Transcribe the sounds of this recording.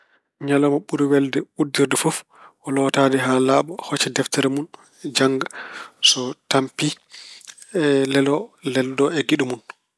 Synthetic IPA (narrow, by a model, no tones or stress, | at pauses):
ɲalɔmɔɓuɾiwɛldɛudiɾdɛfɔf | ʔɔlɔtadɛɦalaːɓɔhɔt͡ʃɛdɛftɛɾɛmun | d͡ʒaŋɡasɔtampi | lɛlɔlɛldɔɛɡiɗumun